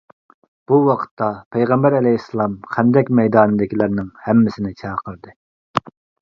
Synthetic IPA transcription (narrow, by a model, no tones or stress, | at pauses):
b̥uwɑqʰə̥t̪ʰːɑpʰɛjʁɛmbæɾɛlɛisɨlˠɑmqʰɛnd̪ɛkʲmɛjd̪ɑːnɨd̪ɪkʲilɪɾnɪŋhɛmːɪsɪnɪt͡ʃʰɑːqʰəɾd̪ɨ